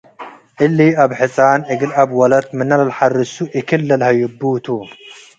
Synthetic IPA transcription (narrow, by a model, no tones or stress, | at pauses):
ʔɨlːiaβħɨsʼaːnʕɨɡɨlabwɐlɐt̪mɨnalɐlħarɨsuʔɨkʰɨlːɐlhɐjʊbːut̪ʰu